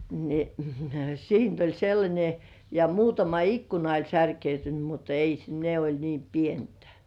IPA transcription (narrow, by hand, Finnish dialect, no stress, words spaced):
ni siːnt olʲ selːɑnʲe jɑ muːtɑmɑ ikːunɑ olʲ særkeytyny mut ei s ne olʲ niːm pientæ̥